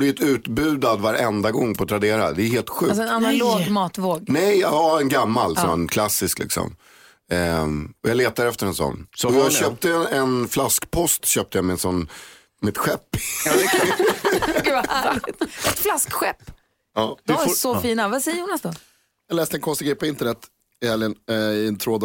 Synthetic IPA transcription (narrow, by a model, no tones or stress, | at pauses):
lɪt̪ʉ̟ːt̪bʉ̟ːd̪ad̪vaɾɛnd̪aɡɔŋːpʰɔat̪ɾad̪eːɾa̰d̪ɛheːlt̪ɧʉ̟ːsɔɛnanaloːɡmɑːt̪voːɡnɛjaɛnɡamːalsɔmankʰlasːɪsklɪ̰ksɔ̰m | ɛɔjɑːleːt̪ad̪əɛft̪əɾɛnsɔ̰nːsɔjjɑɡɕœːp̚t̪əɛnflaskpʰɔst̪ɕœːp̚t̪əjamɛɛnsɔnː | mɪt̪ɧɛpː | ɛt̪flaskɧɛpː | ɑːd̪sɔfiːnavasɛjəɾuːnasd̪ɔ | jɑlɛːst̪əɛnkʰɔnst̪ɪɡɾɛpʰɔɪnt̪ənɛt̪ | ɪhɛljənɪɛnt̪ʰɾoːd̪